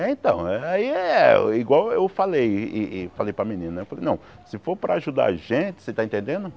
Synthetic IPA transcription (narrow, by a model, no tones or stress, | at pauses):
ɛĩnt̪ɐ̰̃w̃ɛaiɛiɡwawewfalejɪfalejpɾɐmĩnĩnɐnewfalejnɐ̃w̃ | sɪfoɾpɾɐaʒud̪a̰aʒẽt͡ʃɪ̥set̪aẽt̪ẽnd̪ẽnd̪ʊ